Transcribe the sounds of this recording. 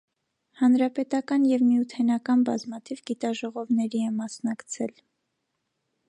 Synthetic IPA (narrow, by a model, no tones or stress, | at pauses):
hɑnɾɑpɛt̪ɑkɑnjɛvmijut̪ʰɛnɑkɑnbɑzmɑt̪ʰivɡit̪ɑʒɔʁɔvnɛɾiɛmɑsnɑkt͡sʰɛl